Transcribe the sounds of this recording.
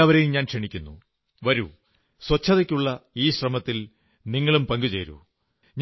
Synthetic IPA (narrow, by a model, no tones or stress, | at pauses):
ɐʋɐɾejumɲaːnʂeɳikʲːunːṵ | ʋɐɾṵ | swɐt͡ɕʰːɐðɐkʲːuɭːɐiːɕrɐmɐt̪ːil | niŋːɐɭumpɐŋɡut͡ɕeːɾṵ | ɲ